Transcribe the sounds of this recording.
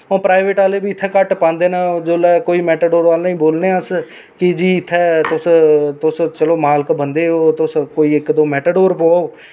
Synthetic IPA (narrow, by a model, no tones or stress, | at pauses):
õːpɾaːɪʋeːʈaːleːbiːɪt̪ʰːɛːkəʈpãːnd̪eːnãːd͡ʒoːlɛːkoːiːmɛːʈəɖoːɾʋaːlnəĩːboːlneːəs | kɪd͡ʒiːɪt̪ʰːɛːt̪ʊst̪ʊst͡ʃəloːmaːlkbənd̪eːɦoːt̪ʊskoːiːɪkd̪oːmɛːʈəɖoːɾpoːoː